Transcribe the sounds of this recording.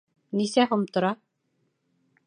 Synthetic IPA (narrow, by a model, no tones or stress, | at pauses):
nisæɦomt̪ŏɾɑ